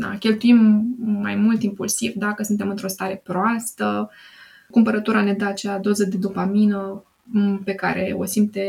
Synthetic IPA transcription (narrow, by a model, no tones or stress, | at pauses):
a̰kʲe̞lt̪uimːa̰jmult̪impulsivd̪akəsunt̪e̞mɨnt̪ɾo̞st̪aɾe̞pɾoast̪ə | kumpəɾət̪uɾane̞d̪əat͡ʃead̪o̞zəd̪e̞d̪upaminə | pe̞ka̰ɾʔe̞̰o̞̰simt̪e